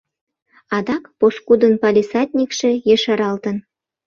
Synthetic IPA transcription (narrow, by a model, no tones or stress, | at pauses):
ɑd̪ɑkposkud̪ə̆npɑlʲisɑt̪ʲnʲikʃĕjĕʃɑɾɑlt̪ə̆n